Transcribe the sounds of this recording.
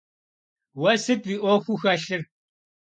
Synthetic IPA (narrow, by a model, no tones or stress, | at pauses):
wɐsɨt̚wiːʔʷoxʷuxɐɬɨr